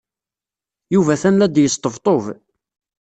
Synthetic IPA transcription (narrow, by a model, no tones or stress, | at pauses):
juvæθænlæd̪jəst̪ːəvt̪ˤov